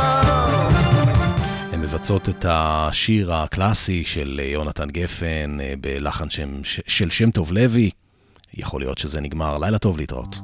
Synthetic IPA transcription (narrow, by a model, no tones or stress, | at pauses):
hemːevat͡so̞te̞taʃiʁaklasiʃeljo̞natanɡe̞fenbelaχanʃemʃelʃe̞mto̞vle̞vi | ja̰χo̞̰lḭjo̞tʃezeniɡmaʁlajlato̞vleitʁa̰o̰t